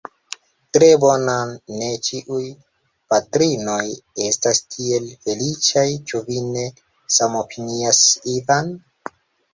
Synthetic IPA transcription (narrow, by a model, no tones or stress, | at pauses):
tɾe̞bo̞nanːe̞t͡ʃiʔuj | patɾino̞je̞stastʰie̞lfe̞lit͡ʃajt͡ʃuvine̞ | samo̞piniasivan